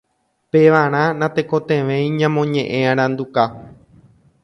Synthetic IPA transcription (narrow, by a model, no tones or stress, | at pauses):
peʋaɾ̃ãnãt̪e̞ko̞t̪ẽʋẽjĩɲãmõ̞ɲẽ̞ʔẽãɾ̃ãnd̪uka